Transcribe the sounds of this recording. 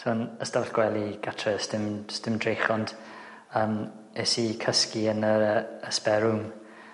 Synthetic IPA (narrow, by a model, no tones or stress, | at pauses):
soːnəstaɬɡ̥wɛlˠiɡ̥atʰrəstɪmstɪmdrɹejχɔnd̥ | əːm | ɛsikʰəskiənəəəspɛɾʊŋ